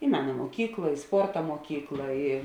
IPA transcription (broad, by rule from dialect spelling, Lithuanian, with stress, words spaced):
ɪ ˈmʲæːnɐ muɔˈkʲiːklˠɐ ɪ ˈspoːrtɐ muɔˈkʲiːklˠɐ ɪ